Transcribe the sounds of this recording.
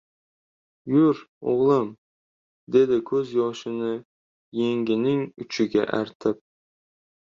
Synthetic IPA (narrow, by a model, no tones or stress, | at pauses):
jʊɾ | o̰ʁlˠɨm | d̪e̞d̪ɪkʲʰɵzjɒʃɪnɪ | je̞ŋɡʲɪnɪŋʊt͡ʃʰɪɡʲa̰ʔæɾt̪ʰɪp̚